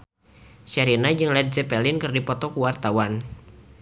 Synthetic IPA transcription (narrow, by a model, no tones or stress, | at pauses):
ʃɛɾinad͡ʒɨŋlɛd̚zɛpɛlɪnkɨrdipɔt̪ɔkuwart̪awan